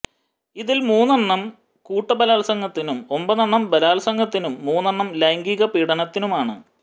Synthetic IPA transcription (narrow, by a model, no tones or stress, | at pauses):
iðilmuːnːɐɳːɐm | kuːʈːɐbɐlaːlsɐŋɡɐt̪ːinumo̞mbɐnɐɳːɐmbɐlaːlsɐŋɡɐt̪ːinumːuːnːɐɳːɐmlɐjŋɡiɣɐpiːɽɐnɐt̪ːinumaːɳɨ̰